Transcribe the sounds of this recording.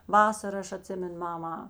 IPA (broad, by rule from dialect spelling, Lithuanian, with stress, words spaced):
ˈʋɑːsɐr ˈɐʃ ɐˈtʲsʲɪmʲɛnʊ ˈmɑːmɐ